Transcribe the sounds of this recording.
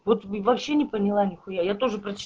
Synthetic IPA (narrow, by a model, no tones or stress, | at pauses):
vo̞t̪vɐpɕːe̞nʲɪpənʲɪlˠanʲɪxʊjajat̪o̞ʐɨpɾət͡ɕɪ̥